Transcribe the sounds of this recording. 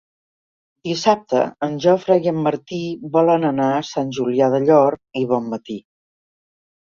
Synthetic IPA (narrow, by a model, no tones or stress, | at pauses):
d̪isap̚t̪ə̰ːnʲʒɔfɾaɣəmːəɾt̪iβɔlənənaəsanʲʒuliaðəʎɔɾkiβɔmːət̪i